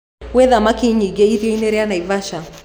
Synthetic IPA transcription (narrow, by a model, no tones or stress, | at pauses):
wɛðamakiɲiɡɛiðjɔinɛɾɛanaivaʃa